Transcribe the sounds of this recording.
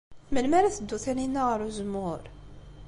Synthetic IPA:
məlmæɾæθəd̪ːuθæninːæʁəɾuzəmʊɾ

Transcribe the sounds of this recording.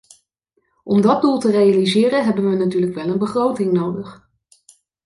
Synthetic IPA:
ʔɔmdɑd̚dulˠtərejalizɪːɾənɦɛbənʋənatyːɹləkʋɛlənbəχrowtɪŋnowdəχ

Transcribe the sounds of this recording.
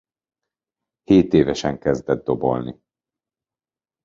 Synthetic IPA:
heːt̪eːvɛʃɛŋkɛzd̪ɛd̪̚d̪o̞bo̞̰lni

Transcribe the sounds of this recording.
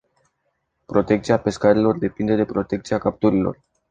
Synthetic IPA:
pɾo̞t̪e̞k̚t̪siape̞skaɾilo̞rd̪e̞pind̪e̞d̪e̞pɾo̞t̪e̞k̚t̪siakap̚t̪uɾilo̞̰r

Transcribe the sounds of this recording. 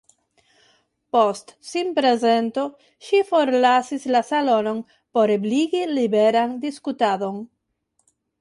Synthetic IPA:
po̞stsimpɾe̞ze̞nto̞ | ʃifo̞ɾlasislasalo̞no̞n | po̞ɾebliɡilibe̞ɾandiskutado̞n

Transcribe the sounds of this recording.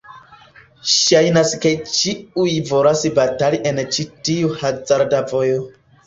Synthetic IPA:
ʃajnasket͡ʃiujvo̞ɾasbataliʔe̞nt͡ʃitiuhad͡zaɾdavo̞jo

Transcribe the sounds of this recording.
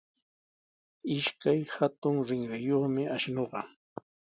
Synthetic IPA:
ɪʃkajhat̪ʊŋɾɪŋɾɪjoχmɪaʃnoɢɑ̰

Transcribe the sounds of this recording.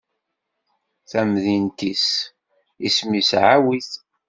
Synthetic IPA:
θæmðint̪is | ismisʕawiθ

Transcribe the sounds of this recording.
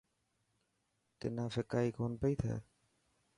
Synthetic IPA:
t̪ḛnafekajkonpejt̪ʰa̰

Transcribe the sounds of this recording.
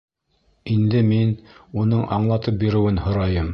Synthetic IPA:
ind̪ɘminunɤɴʔɑ̰ɴlˠɑt̪ɤp̚biɾɘ̆wɘnhŏɾɑjɤm

